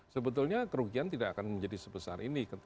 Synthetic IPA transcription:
səbət̪̬ulɲakəɾuɡiant̪idaakanməɲd͡ʒadisəbəsa̰rinikə

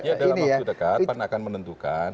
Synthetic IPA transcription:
jadailnijaudəkat̪panaːkanmənənt̪ukan

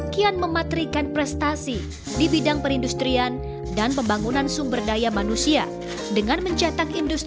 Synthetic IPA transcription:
kianməmat̪ɾikanpɾɛst̪asi | dibidaŋpəɾindust̪ɾian | danpəmbaŋunansuŋbərdajamanusia | dəŋanməɲt͡ʃat̪akindust̪

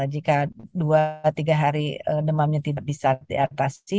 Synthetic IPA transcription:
d͡ʒikaduat̪iɡaɦaɾiədəmamɲat̪idaʔ̚bisadḭat̪asi

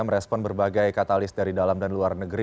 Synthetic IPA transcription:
aməɾɛspɔnbərbaɡajkat̪alɪsdaɾidalamdanluarnəɡɾi

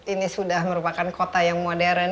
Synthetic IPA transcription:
inisudahməɾupakankot̪ajaŋmodɛɾn

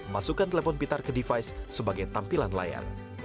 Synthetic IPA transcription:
masukant̪elefɔnpit̪arkədifajsːəbaɡajt̪ampilanla̰ja̰r

